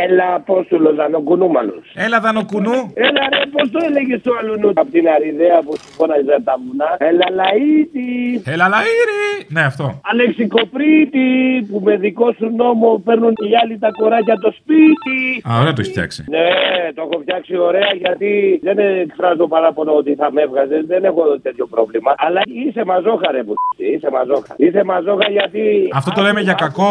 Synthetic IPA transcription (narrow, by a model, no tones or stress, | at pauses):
elɐpo̞st̪ulozɐno̞kunumɐ̰lo̰selɐðɐnokunuelɐɾepo̞st̪oeleʝest̪oɐlunupot̪inɐɾiðeɐpusi̥ko̞nɐzɐt̪ɐmunɐelɐlɐit̪ielɐlɐiɾineɐft̪o̞ɐle̞ksiko̞pɾit̪ipume̞ðiko̞suno̞mo̞peɾnuniɐlit̪ɐko̞ɾɐcɐt̪o̞spit̪iaoɾeɐt̪oçi̥fjɐ̰ksḭnet̪o̞exo̞fçɐksio̞ɾe̞ɐʝɐt̪iðeneːkfɾɐzopɐɾɐpoloot̪iθɐme̞vɣɐzezðe̞ne̞xo̞t̪e̞t̪ço̞pɾo̞vlimɐɐlɐise̞mɐzo̞xɐɾepusisiise̞mɐzo̞xɐ̰ɾise̞mɐzo̞xɐʝɐt̪iɐft̪o̞t̪o̞le̞meʝɐkɐko̞